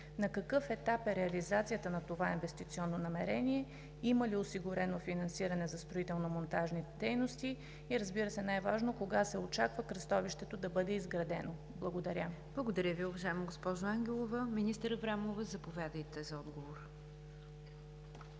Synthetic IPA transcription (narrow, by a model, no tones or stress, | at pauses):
nɐkɐkɤfɛt̪apɛɾɛɐlizat̪sijət̪ənɐt̪ovainvɛst̪it̪siɔnːonɐmɛɾɛniɛ | iməliosiɡʊɾɛnofinɐnsiɾɐnɛzɐst̪ɾoit̪ɛlˠnomont̪aʒnit̪ɛd̪ɛjnost̪iː | ɾəzbiɾəsɛnajvaʒnokoɡasɛot͡ʃakvəkɾɐst̪ɔviʃt̪ɛt̪od̪ɐbɤd̪ɛizɡɾɐd̪ɛno | blˠəɡod̪ɐɾʲəb̥lˠəɡod̪ɐɾʲəviʊvɐʒaɛmoɡospɔʒoaŋɡʲɛlˠovəminist̪əɾəvɾamovəzɐpovʲjad̪əjt̪ɛzɐɔd̪ɡovoɾ